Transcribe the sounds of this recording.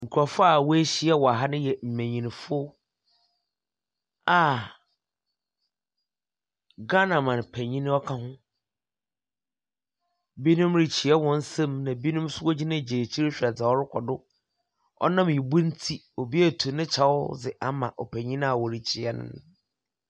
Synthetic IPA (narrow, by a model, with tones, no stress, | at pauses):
ŋ̩˨kʰu˨ɾa˨fa˦˨wɔ˦e˦ɕi˦ɛ˦wɔ˨a˨ɦa˦nɪ̃˦jɛ˨m̩˨mæ̃˨ɲĩ˨nĩ˨fʊ˦ | a˨ | ɡa˦nã˨mã˨n˨pʰɛ˨ɲĩ˦nɪ̃˦ɔ˦kʰa˦hʊ̃˦ | bi˦nũ˦mɾi˨t͡ɕʰi˨ɛ˦wɔ̃˦n̩˦sɛ̃˦mnã˨bi˦nũ˦m˦sʊ˦wɔ˦d͡ʑi˦nã˦˨d͡ʑe˨t͡ɕʰi˦ɾe˦ɕᶣɾa˨d͡za˨ɔ˦ɾɪ˦kʷʰɔ˨dʊ˦ | ɔ̰˦nã˦m˨i˨bu˦n̩˦tʰi˦ | o˨bi˦ɛ˦˨tʰu˨nɪ̃˦t͡ɕʰa˦wʊ̰˦d͡zɪ˨ʔa˦mã̰˨ʔɔ̰˨pʰæ˨ɲĩ˦ñ˦a˨wɔ˨ɾi˨t͡ɕʰi˨ɛ˦nʊ̰̃˨˦n˨